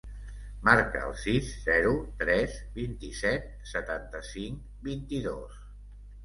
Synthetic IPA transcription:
maɾkə̰ə̰lˠsizːɛɾut̪ɾɛzbint̪isɛt̪̚sət̪ant̪əsiŋk | bint̪iðos

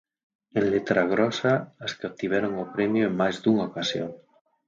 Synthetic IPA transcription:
ẽnlet̪ɾaɣ̞ɾɔsaaskat̪iβ̞ɛɾoŋopɾemjoeŋmajzd̪uŋaokasjo̰ŋ

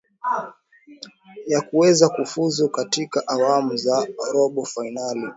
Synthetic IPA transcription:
jakuwɛzakufuzukatikaʔawamuzaɔɾɔɓɔfainali

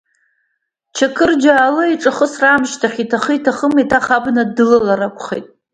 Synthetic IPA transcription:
t͡ʃʰakʰɨrd͡ʒaːlɨiʈ͡ʂʼɨχəsramʃtʰaχʲitʰaχəjtʰaχəmitʰaχabnadɨlalaɾakʷʰʼχḛjtʼ

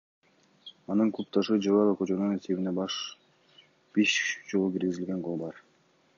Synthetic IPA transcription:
ɑnɯŋklˠup̚t̪ɑʃɯd͡ʒovɑɾˠokøt͡ʃønynet̪ʲiβʲinebɑʃ | b̥iʃd͡ʒolˠukiɾɡʲizilɡe̞ŋqolˠbɑɾ

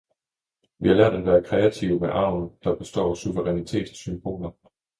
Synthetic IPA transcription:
ʋihɑ̈læɐ̰d̥ænʋæːɐkʰʁɛæt͡sʰiʊmeʔɑ̈ʊ̰n̩d̥ɑ̈b̥e̝sd̥ɒ̰ːsuʋəʁɛnit͡sʰe̝̰ːd̥symb̥o̝̰ːlnɐ

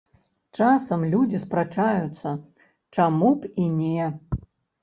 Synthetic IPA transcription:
t͡ʂasɐmlʲud͡zʲispɾat͡ʂajut̪sːɐ | t͡ʂamupinʲe

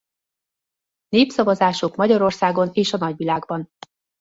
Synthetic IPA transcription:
neːpsɒvɒzaːʃokmɒɟɒɾo̞rsaːɡo̞neːʃɒnɒɟʋilaːɡbɒn

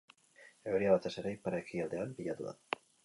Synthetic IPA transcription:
eoɾiaβat̪e̞se̞ɾejpaɾekiald̪e̞anbiʎat̪uða̰

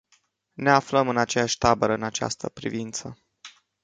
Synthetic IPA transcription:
ne̞afləmɨnat͡ʃejaʃʲt̪abəɾəɨnat͡ʃa̰st̪ə̰pɾḭvint̪sə

